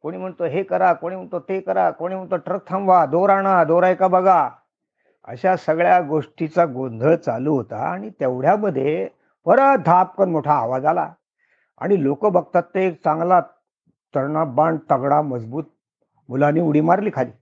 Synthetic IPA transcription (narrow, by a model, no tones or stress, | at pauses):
koɽ̃iːm̤əɳt̪oɦekəɾakoɽiːm̤əɳt̪ot̪ekəɾakoɽ̃iːm̤əɳt̪oʈɾək̚t̪ʰəmʋad̪oɾaɽ̃ad̪oɾajkabəɡa | ə̰ɕasəɡɭjaɡoʂʈit͡saɡond̪ʱət͡saluːɦot̪a̰a̰ɽ̃it̪eʋɽjaməd̪ʱje | bəɾəd̪ʱap̚kənmoʈʰaəʋad͡zala̰ | a̰ɽ̃ilokəbəɡ̚t̪at̪ːekt͡sãŋɡla | t̪əɾɳabãɳɖt̪əɡɽaməd͡zbuːt̪̚ | mulaniːuɽiːmaɾliːkʰalḭː